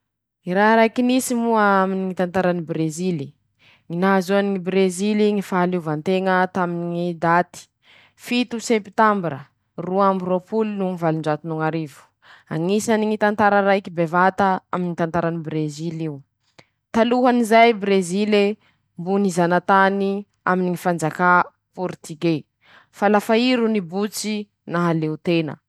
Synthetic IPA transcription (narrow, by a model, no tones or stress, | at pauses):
iɾaɾajkinisimuaaminiŋit̪ant̪aɾanibɾezili | ŋinazuaniŋibɾeziliŋifaluvant̪eŋət̪aminiŋid̪at̪i̥ | fit̪usepi̥t̪ambiɾə̰ | ruambiropulnuŋivaliɳɖ͡ʐat̪inuŋaɾivu̥ | a̰ŋisaniŋit̪ant̪aɾəɾajkibevat̪aa̰minit̪ant̪aɾanibreziliu | t̪aluɦanizajbɾezile | mbunizanat̪ani | aminiŋifand͡zaka | puɾt̪iɡe | falafaiɾunibut͡si | naɦaleut̪enə̰